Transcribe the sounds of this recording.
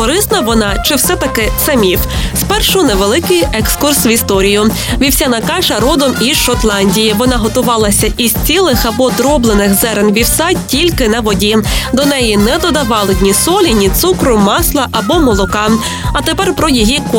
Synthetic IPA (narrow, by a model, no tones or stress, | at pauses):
ɔɾɪsnɐʋɔnɑt͡ʃɪwsɛt̪ɐkɪsɐmʲiwspɛrʃʊnɛʋelˠɪkɪjɛkskursʋist̪ɔɾʲijʊ | ʋʲiwsʲanɐkɑʃɐɾɔd̪ɔmiʃɔt̪lˠɑnʲdʲijiʋɔnɑɦɔt̪ʊʋɑlˠɐsʲɐʔiz̥ʲt͡sʲilˠɪxɐbɔd̪ɾɔblˠenɪxzɛɾenʋʲiwsɑtʲilʲkɪnɐʋɔdʲid̪ɔnɛjinɛd̪ɔd̪ɐʋɑlˠɪdʲnʲisɔlʲinʲit̪sukɾʊmɑslˠɐʔɐbɔmɔlˠɔkɑ | ɐt̪epɛrpɾɔjiɦik